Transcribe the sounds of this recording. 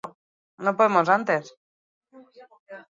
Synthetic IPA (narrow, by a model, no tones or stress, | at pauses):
nopoðemo̞sant̪e̞s